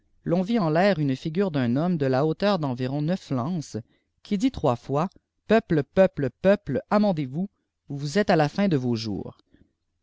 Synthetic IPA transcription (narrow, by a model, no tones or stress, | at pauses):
lɔ̃viɑ̃lɛːʁynfiɡʲyːʁd̪ɛ̃nɔmd̪əlaot̪œːʁd̪ɑ̃viʁɔ̃nœflɑ̃s | kʰʲid̪it̪χwafwa | pœpləpœpləpœpləamɑ̃d̪evu | vuzɛt̪alafɛ̃d̪əvoʒṵːʁ